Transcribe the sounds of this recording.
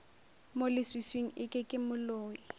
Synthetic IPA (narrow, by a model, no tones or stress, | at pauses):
molɪswisweŋ̩ɪkʼɪkʼɪmʊloːi